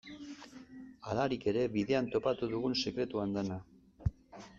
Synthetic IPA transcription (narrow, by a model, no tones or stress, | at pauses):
alaɾike̞ɾe̞βiðe̞ant̪o̞pat̪uðuɣ̞unse̞kɾe̞t̪uand̪ena